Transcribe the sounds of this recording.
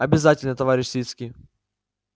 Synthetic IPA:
ɐbʲɪzatʲɪlʲnət̪ɐvaɾʲɪɕʲsʲvʲit̪skʲij

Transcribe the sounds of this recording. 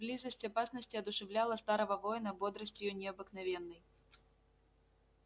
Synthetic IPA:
blʲizɐsʲt͡sʲapasnɐsʲt͡sʲiɐd̪uʂɛwlʲalˠɐst̪aɾɐvɐvɔjnɐbɔd̪ɾɐsʲt͡sʲjunʲɛɐbɨknavʲɛnːɐj

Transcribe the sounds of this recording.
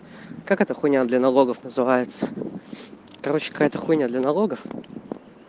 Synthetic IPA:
kakɛt̪əxʊnʲad̪lʲənɐlˠo̞ɡəfnəzɨvajɪt̪sə̥ | kɐɾot͡ɕːɪ̥kɐ̥kajɛt̪əxunʲad̪lʲɐnɐlˠoɡəf

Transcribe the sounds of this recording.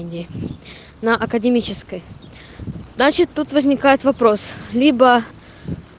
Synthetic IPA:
nʲdʲɪ | nəʔɐkədʲɪmʲit͡ɕɪskəj̪ | nat͡ɕɪt̪ːut̪vəzʲnʲɪkajɪt̪vɐpɾo̞slʲibə

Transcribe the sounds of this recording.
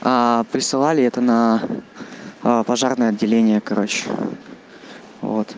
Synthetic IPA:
apɾʲɪsɨlˠalʲɪɛt̪ənə | pɐʐarnɨjəɐdʲːɪlʲenʲɪjəkɐɾo̞t͡ɕɪ̰ | vo̞̰t̪

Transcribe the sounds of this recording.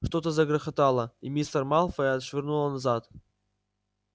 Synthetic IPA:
ʂt̪ot̪əzəɡɾəxɐt̪alˠəimʲist̪ərmalˠfəɐt̪ʂvʲɪrnulˠənɐzat̪

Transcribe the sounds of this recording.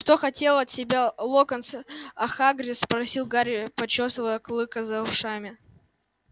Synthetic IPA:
ʂt̪oxɐtʲe̞lˠɐt̪sʲɪbʲalˠokənsɐxaɡɾʲɪspɾɐsʲilˠɡaɾʲɪpɐt͡ɕosvəəklˠɨkɐzɐʊʂamʲɪ

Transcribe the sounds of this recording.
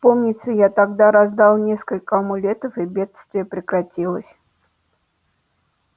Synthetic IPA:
pomnʲɪt̪səjat̪aɡd̪aɾazd̪alˠnʲeskəlʲkəɐmʊlʲet̪əfɨbʲe̞t̪st̪vʲɪjəpɾʲɪkɾatʲilˠə̰sʲ

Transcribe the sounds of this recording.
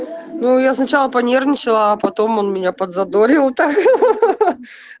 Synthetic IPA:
nujasnɐt͡ɕalˠəpɐnʲernʲɪt͡ɕɪlˠəːpɐt̪o̞mo̞nmʲɪnʲapəd̪zɐd̪o̞ɾʲɪlˠt̪ak

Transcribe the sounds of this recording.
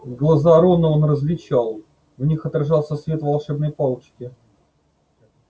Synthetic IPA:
ɡlˠɐzaɾo̞nəonrəzlʲɪt͡ɕalˠ | vnʲixɐt̪ɾɐʐɑlˠsʲəsvʲe̞t̪vɐlˠʂɛbnəjpalˠt͡ɕkʲɪ

